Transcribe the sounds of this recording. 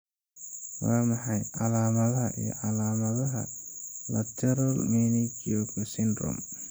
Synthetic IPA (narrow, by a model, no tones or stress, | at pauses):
wɑːmɑħɑjʕɑlaːmɐðɐɦɐ̰ʔḭjɔ̰ʕɑlaːmɐðɐɦɐ̰lɐt̪ʰɛɾɐlminɪt͡ʃɔkʰɐsɪnd̪rɔ̰m